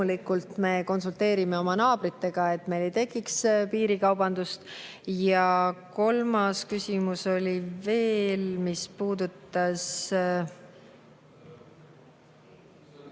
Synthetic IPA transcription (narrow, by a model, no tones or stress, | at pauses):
ulikːˑult̪me̞ːko̞nsult̪e̞ːɾime̞o̞mɑnɑːb̥ɾit̪ːe̞ɡ̥ɑe̞t̪ːˑme̞jle̞jt̪e̞kˑːikspiːɾikɑwbɑnd̪̥ust̪ | jɑko̞lmɑskysʲimuso̞lʲive̞ːlmispuːd̪̥ut̪ːˑɑs